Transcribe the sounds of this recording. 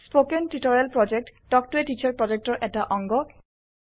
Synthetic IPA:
spokentitɔɹialpɹɔd͡ʒek̚tdɔk̚tʊetit͡ʃʰaɹpɹɔd͡ʒek̚tɔɹʔɛtaʔɔŋɡɔ

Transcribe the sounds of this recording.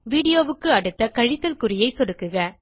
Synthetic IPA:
ʋiːɽɪjoːʋɯkːɯɐɽɯt̪ːɐkɐɻɪt̪ːɐlkɯrɪjɐɪsɔɽɯkːɯɣɐ

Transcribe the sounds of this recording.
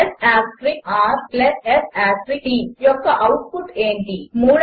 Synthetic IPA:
saːskɾiaːɾplɐesaːsɾiʈijɔkːɐʔɐwʈpuʈeːɳʈimuːɭ

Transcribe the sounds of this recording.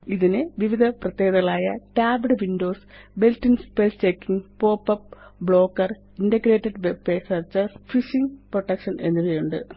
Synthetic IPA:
iðinɨʋiʋid̪ʱɐprɐt̪jeːɡɐðɐɣɐɭaːjɐ̰ʈaːbɽʋindo̞ːsbe̞ltːinspelst͡ɕekːiŋpo̞ːpːɐpbɭo̞ːkːɐr | indɐɡɾe̞ːʈːeɖʋepeːsɐrt͡ɕɐfiʂiŋproʈːɐkʂɐne̞̰nːilɐjuɳɖɨ̰

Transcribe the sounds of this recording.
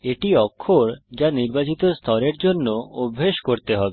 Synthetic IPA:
eʈiɔkʰːoɾd͡ʑaniɾbat͡ɕit̪ost̪ʰɔɾeɾd͡ʑonːoobʱːeʃkoɾt̪eɦɔbe

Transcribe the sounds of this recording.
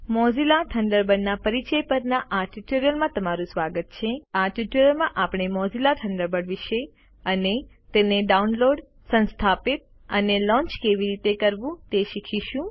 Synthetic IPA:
mɔd͡ʒilaʈʰəɳɖəɾbəɖnapəɾit͡ʃəjpəɾnaʔaʈuʈoɾijəlmãt̪əmaɾũsʋaɡət̪̚t͡ʃʰeaʈuʈoɾjəlmãʔapɳ̃emɔzilaʈʰəɳɖəɾbəɽʋiʃe | əne | t̪eneɖaunloɖ | sə̃nst̪ʰapit̪̚ | ənelɔ̃ɲt͡ʃkeʋiɾit̪ekəɾʋũt̪eʃikʰiʃũ

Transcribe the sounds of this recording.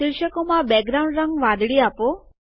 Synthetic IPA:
ɪlʃəkomãbɛɡ̚ɾaũɳɖɾə̃ŋɡʋãd̪ɽiapo

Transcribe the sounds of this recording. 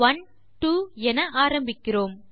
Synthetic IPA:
ʋɐn | ʈuːɛnɐʔaːɾɐmbɪkːɪroːm

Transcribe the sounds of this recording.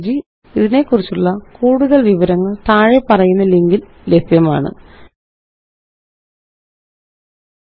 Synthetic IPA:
d͡ʑi | iðine̞kːurit͡ɕːuɭːɐkuːɽuðɐɭʋiʋɐɾɐŋːɐɭt̪aːɻe̞pːɐrɐjunːɐliŋɡil | le̞bjɐma̰ːɳɨ̰

